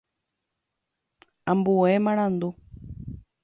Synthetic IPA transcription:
ãmbuemãɽ̃ãnd̪u

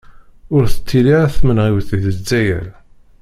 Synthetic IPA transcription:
ʊɾθə̥t͡sʰːiliʁæθmənʁiwθiðəzːæjæ̰l

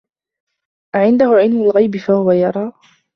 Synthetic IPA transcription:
ʔaʕɪnd̪ahʊʕɪlmʊlɣajbɪfahʊwajɑɾˤɑː

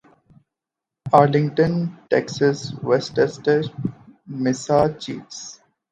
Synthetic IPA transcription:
aːɾlɪ̃ŋɡʈə̃nʈɛksəsʋesʈəsʈə | mɪsaːt͡ʃḭːfs

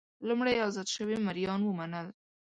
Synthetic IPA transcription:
lumɽajɑzɑd̪ʃəwemaɾjɑnwəmanəl

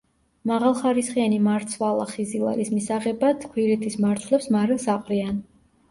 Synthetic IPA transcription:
maʁalˠχaɾisχianimaɾt̪sʰvalˠa̰χizilˠa̰ɾismisaʁɛbat̪ʰkʰwiɾɛt̪ʰismaɾt̪ʰlɛpsmaɾɛsaqʼɾian

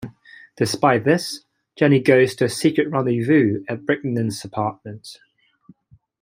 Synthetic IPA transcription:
d̥ɪspaɪʔðɪs | d̥ʒ̥ɛniɡəʊz̥tʰəːsiˑkɹəʔɹʌ̃nĩvʉːəʔ̚b̥ɹɪʔn̩də̃nzəpʰɑˑʔ̚mə̃nt

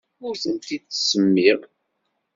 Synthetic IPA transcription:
ʊɾθənt̪id̪̥səmːiɾ

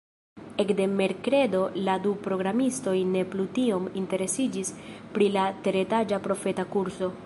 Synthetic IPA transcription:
e̞kde̞me̞ɾkɾe̞do̞ladupɾo̞ɡɾamisto̞jne̞plutio̞minte̞ɾe̞sid͡ʒispɾilateɾe̞tad͡ʒapɾo̞fe̞takuɾso̞

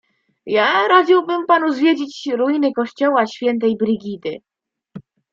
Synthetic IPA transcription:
jaɾad͡ʑiwbɘmpanuzvʲjed͡ʑit͡ɕɾujinɘkɔɕt͡ɕɔwaɕfʲjɛnt̪̬ɛjbɾɘɡʲid̪ɘ̰

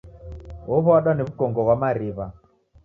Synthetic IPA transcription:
ɔβɔaɗaniβukɔŋɡɔβwamaɾiβa

